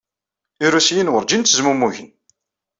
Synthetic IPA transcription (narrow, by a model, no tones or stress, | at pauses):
iɾusjinwəɾˤd͡ʒint̪ːəzmumːuʝən